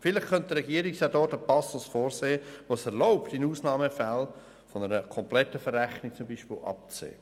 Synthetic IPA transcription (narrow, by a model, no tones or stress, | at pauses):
fɪlɪχkʰœnt̚dəɾɛɡiːɾiksadɔːtəpɑsɔlsfoːɾseːəʋoːsɛɾloʊptɪnuːsnɑːməfal | fɔnəɾəkʰɔmplɛtəfəræχnik̚t͡sʊmbiːʃpɪ̰ːlʔɑ̰p̚t͡sḛː